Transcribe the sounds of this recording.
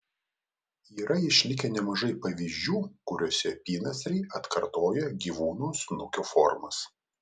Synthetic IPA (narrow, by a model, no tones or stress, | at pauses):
iːɾɐɪʃʲlʲɪkʲɛnʲɛmɐʒɐɪpɐʋʲiːzʲd͡ʒʲuːkʊɾʲoːsʲɛpʲiːnɐsʲɾʲɛɪʔɐt̪kɐɾt̪oːjɛɡʲiːʋuːnuːsnʊkʲoːfɔɾmɐs